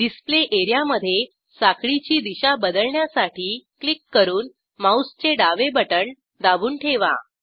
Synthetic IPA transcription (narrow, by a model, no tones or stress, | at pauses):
ɖ̪ispleʔeɾjaməd̪ʱːje | sakɭit͡ɕiːd̪iɕabəd̪əɭɳjasaʈʰiːklikːəɾuːn | maust͡ɕeɖaʋebəʈəɳ | d̪aʋuːnʈʰeʋa̰